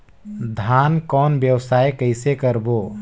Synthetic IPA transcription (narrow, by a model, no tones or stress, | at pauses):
d̪ʱaːnkɔːnbjəwsaːekəɪsekəɾboː